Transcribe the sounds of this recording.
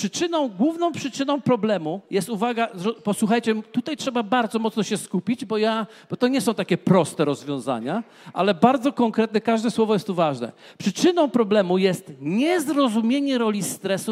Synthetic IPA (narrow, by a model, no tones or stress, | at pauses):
ʂɘt͡ʂɘnɔ̃w̃ɡwuvnɔ̃w̃pʂɘt͡ʂɘnɔ̃w̃pɾɔblɛmujɛst̪uvaɡaɾɔpɔswuxajt͡ɕɛmt̪ut̪ajtʂɛbabaɾd̪zɔmɔt̪snɔɕɛskupʲid͡ʑbɔja | b̥ɔt̪ɔɲɛsɔ̃w̃t̪akʲɛpɾɔst̪ɛɾɔzvʲjɔ̃w̃za̰ɲa | ʔa̰lɛbaɾd̪zɔkɔŋkɾɛt̪̚nɛkaʐd̪ɛswɔvɔjɛst̪ːuvaʐnɛ̰ | pʂɘt͡ʂɘnɔ̃w̃pɾɔblɛmujɛst̪ɲɛzɾɔzumʲjeɲɛɾɔlʲist̪ɾɛsu